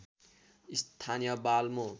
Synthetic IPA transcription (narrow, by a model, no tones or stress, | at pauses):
ist̪ʰanijʌbalmo